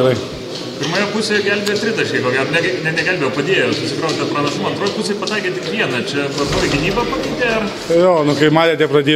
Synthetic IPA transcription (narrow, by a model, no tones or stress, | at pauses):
ɾɐɪ | pʲɪɾmɐːjoːpʊsʲeːjɛɡʲɛlʲbʲeːt̪ʲɾʲɪt̪ɐʃʲkʲɐɪkoːɡʲæːɾoːnʲɛɡnʲɛnʲɛɡʲɛlʲbʲejopɐd̪ʲeɛjosʊsʲɪkɾɐʊʃt̪ɐpɾɐnɐʃʊmɐɐnt̪ɾoːjpʊsʲepɐt̪ɐɪkʲet̪ʲɪkʋʲiɛnɐt͡ʃʲɛʋɐt̪oːjɛɡʲɪnʲiːbɐpɐnʲit̪ʲeːɐr | joːnʊkɐɪmɑːlʲeːt̪ʲɛpɾɐd̪ʲeː